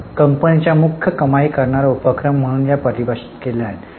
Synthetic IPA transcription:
kəmpənit͡ɕjamukʰːjəkəmaikəɾɳaɾaupəkɾəm̤ːəɽ̃uːnjapəɾibʱaɕi̥t̪keljaɦet̪

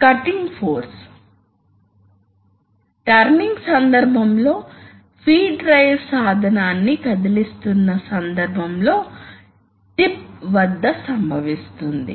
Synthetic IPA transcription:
kɐʈiŋɡpʰoːɾs | ʈɐɾniŋɡsɐnd̪ɐɾbʱɐmlo̞ː | pʰiːɖɾɐjʋsaːd̪ʱɐnaːnːikɐd̪ilist̪unːɐsɐnd̪ɐɾbʱɐmlo̞ː | ʈip̚ʋɐd̪ːɐsɐmbʱɐʋist̪und̪ḭ

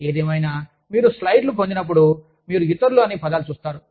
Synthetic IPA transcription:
e̞ːd̪eːmɐjnaː | miːɾuslɐjɖlupoɲd͡ʒ̪inɐp̬ːuɽu | miːɾuɡit̪ːɐɾluɐniːpɐd̪aːlut͡ʃuːst̪aːɾu

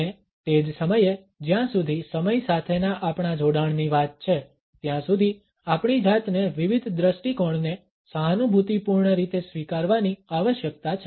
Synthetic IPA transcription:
e | t̪ed͡ʒsəməje | d͡ʒjãsud̪ʱisəməjsat̪ʰenaʔapɳ̃ad͡ʒoɽaɳniʋat̪̚t͡ʃʰe | t̪jãsud̪ʱi | apɳid͡ʒat̪neʋiʋid̪ʱd̪ɾəʃʈikɔɳne | səɦanubʱut̪ipuɾɳəɾit̪esʋikaɾʋaniaʋəʃjəkt̪at͡ʃʰ

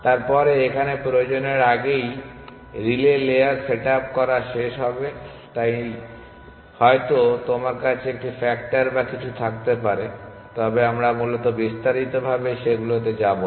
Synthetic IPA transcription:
t̪aɾpɔɾeekʰanepɾood͡ʑoneɾaɡej | ɾileleaɾseʈap̚kɔɾaʃeʃɦɔbe | t̪aj | hɔet̪ot̪omaɾkat͡ɕʰeek̚ʈifɛkʈaɾbakit͡ɕʰut̪ʰak̚t̪epaɾe | t̪ɔbeamɾamulot̪obist̪aɾit̪obʱabeʃeɡulot̪̬ed͡ʑabo

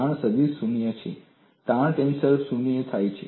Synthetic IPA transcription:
aɽ̃səb̪isunijət͡ʃʰḛ | t̪ãɳ̃ʈ̪emsəɾfsunijət̪ʰajt͡ʃʰḛ

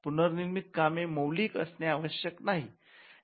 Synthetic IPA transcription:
punəɾniɾmit̪̚kameməwliːkə̰sneaʋəɕjəknaɦi

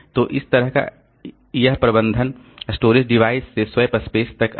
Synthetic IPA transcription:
t̪oːʔɪst̪ɐɾəɦka̰ | jəɦpɾɐbə̃nd̪ʱən | sʈoːɾɪd͡ʒɖɪʋaːɪsːeswɐpɐspeːst̪ɐk

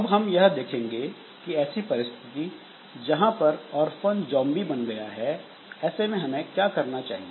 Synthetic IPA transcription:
ɐbɦɐmjɐɦd̪eːkʰẽːŋɡe | kiɛːsipɐɾɪst̪ʰɪt̪i | d͡ʒɐɦãpɐɾɔːɾfənd͡ʒɔ̃ːmbibɐnɡɐjaɦɛ | ɛːsemẽɦɐmẽkjaːkɐɾnat͡ʃa̰ːɦie

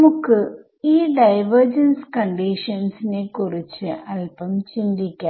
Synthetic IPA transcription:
nmukːɨ | iːɖɐjʋɐrd͡ʑɐnskɐɳɖiʂɐnsinekurit͡ɕːɨɐlpɐmt͡ɕind̪ikʲːaː

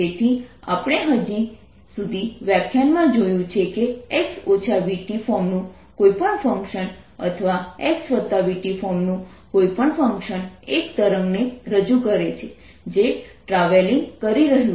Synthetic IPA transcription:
et̪ʰi | a̰pɽ̃eɦəd͡ʒi | sud̪ʱiʋɛp̚kʰanmãd͡ʒojũt͡ʃʰekeeksot͡ʃʰaʋiʈifɔɾmnũ | koipəɳfəŋkʃən | ə̰t̪ʰəʋaeksʋət̪ːaʋiʈifɔmnũ | koipəɳfə̃ŋkʃənekt̪əɾəŋɡneɾəd͡ʒukəɾet͡ʃʰe | d͡ʒeʈɾaʋeliŋɡkəɾiɾəɦjũ

